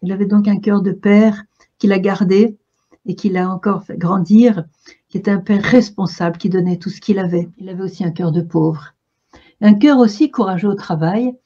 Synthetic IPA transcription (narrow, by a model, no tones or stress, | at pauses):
ilavɛd̪ɔ̃k̬ɛ̃kʲœʁd̪əpɛʁ | kʲilaɡaʁd̪e | ekʲilaɑ̃kɔʁfɛɡʁɑ̃d̪iʁ | kʲiet̪ɛɛ̃pɛʁːɛspɔ̃sabləkʲid̪ɔnɛt̪usə̥kʲilavɛilavɛosiɛ̃kœʁd̪əpovʁ | ɛ̃k̬ʲœʁosikuʁaʒeot̪χavaj